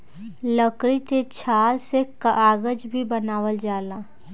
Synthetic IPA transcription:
ləkɾit̪et͡ʃʰaːlsekaʔaːɡəd͡ʒbʱibənaːwəld͡ʒaːlaː

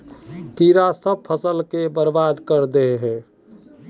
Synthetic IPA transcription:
t̪iɾasəb̚pʰəsəlkebəɾbad̪kəɾd̪eɦɛː

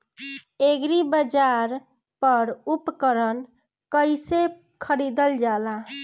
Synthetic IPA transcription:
eɡɾibəd͡ʒaɾ | pəɾupkəɾən | kəjse | kʰəɾid̪əld͡ʒala

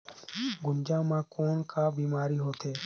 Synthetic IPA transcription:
ɡʊnd͡ʒãːmãːkoːnkaːbiːmaːɾiːɦoːt̪eː

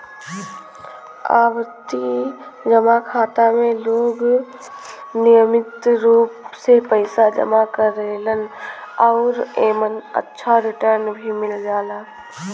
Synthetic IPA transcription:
a̰ːwət̪id͡ʒəmakʰaːt̪amẽloːɡ | nɪjəmɪt̪ɾuːpsepəɪsad͡ʒə̰makəɾeːlənɔːɾeːmənə̰tːʃʰaɾɪʈəɾnbʱimɪld͡ʒaːlaː

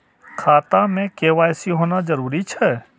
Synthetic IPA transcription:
kʰaːt̪amẽkeːʋaːjsiɦoːnazɐɾuːɾit͡ʃʰɛ

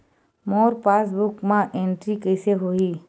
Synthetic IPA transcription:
mɔːɾpaːs̬bʊkmãʔẽːɳʈɾikəɪseɦoːiː

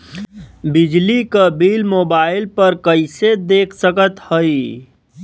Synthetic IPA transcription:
bid͡ʒlikəbilmobaɪlpəɾkəɪsed̪eːkʰsəkət̪həi

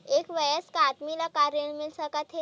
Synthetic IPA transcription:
ekʋəjəskaat̪milakaɾjəɳmilsəkat̪ʰe

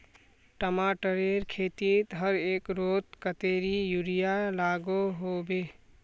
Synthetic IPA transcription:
ʈəmaʈəɾeɾkʰet̪it̪ɦəɾekɾot̪kət̪eɾijuɾijalaɡoɦobe

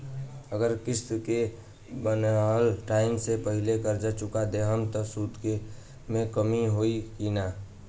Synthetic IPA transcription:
əɡəɾkɪst̪ke | bənalʈaːɪmsepəɦɪlekəɾd͡ʒat͡ʃʊkad̪eɦəmt̪ɔsuːd̪ke | mẽkəmiɦoikinaː

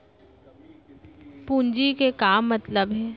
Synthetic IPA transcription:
pũːnd͡ʒikekaːmːɐt̪ləbɦɛː

